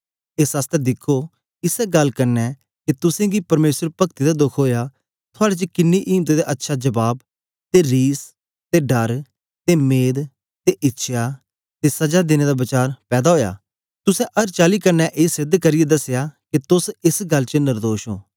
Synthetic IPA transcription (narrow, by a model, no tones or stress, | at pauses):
ɪsəst̪ɛd̪ɪkʰːoː | ɪsɛɡəlkəɾnɛː | kit̪ʊsẽːɡiːpəɾmeːsəɾpəkt̪iːd̪aːd̪ʊkʰɦoːjaː | t̪ʰʊaːɽeːt͡ʃəkɪnːiʔiːmt̪eːd̪eːʔətːʃʰaːd͡ʒəbaːb | t̪eːɾiːs | t̪eːɖəɾ | t̪eːmeːd̪ | t̪eːʔɪtːʃʰjaː | t̪eːsəd͡ʒaːd̪ɪneːd̪aːbɪt͡ʃaːɾpɛːd̪aɦoːja̰ː | t̪ʊsɛ̃ːʔəɾt͡ʃaːliːkəɾnɛːʔeːsɪd̪kəɾɪjed̪əsejaːkit̪ʊsɪsɡəlt͡ʃənɪɾd̪oːʃo̰ː